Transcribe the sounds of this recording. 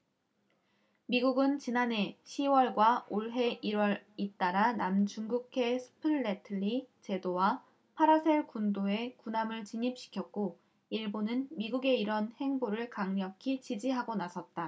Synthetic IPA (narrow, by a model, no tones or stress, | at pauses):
miɡuɡɯnt͡ɕinane̞ɕʰiwʌɭɡwaoɭɦe̞ʔiɾwʌɾit͈aɾanamt͡ɕuŋɡukʰe̞sʰɯ̥pʰɯɭːetʰɯɭːit͡ɕe̞dowa | pʰaɾasʰe̞ɭkundoe̞kunamɯɭt͡ɕiɲip̚ɕ͈i̥kʰjʌk̚k͈o | iɭbonɯnmiɡuɡe̞iɾʌnhe̞ŋboɾɯɭkaŋɲʌkʰit͡ɕid͡ʑiɦaɡonasʰʌt̚t͈a